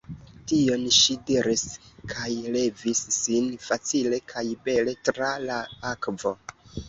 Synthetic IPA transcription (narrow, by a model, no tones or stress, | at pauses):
tio̞nʃidiɾiskʰajle̞visːinfat͡sile̞kʰajbe̞le̞tɾalaakvo̞